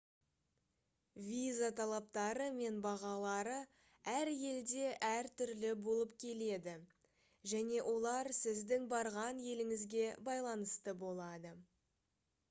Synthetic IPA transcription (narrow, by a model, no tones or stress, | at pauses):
vʲizat̪ʰɑlˠɑp̚t̪ɑɾəme̞nbɑʁɑlˠɑɾə | æɾje̞ld̪e̞ʔæɾt̪ʰʏɾlɪbo̞lˠəp̚kʲʰe̞le̞d̪ɪ | ʒæne̞ʔo̞lˠɑɾsɪzd̪ɪŋbɑɾʁɑnje̞lɪŋɪzɡʲe̞bɑjlˠɑnəst̪əbo̞lˠɑd̪ə